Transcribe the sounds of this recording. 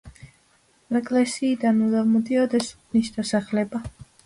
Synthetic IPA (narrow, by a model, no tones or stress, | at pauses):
ɛɡlɛsiːd̪anud̪amɔd̪iɔd̪ɛsu̥kʰnisd̪asaχlɛba